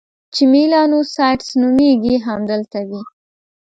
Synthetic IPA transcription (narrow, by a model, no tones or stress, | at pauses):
t͡ʃɪmilɑnosɑjʈsnumeɡiɦamd̪əlt̪awi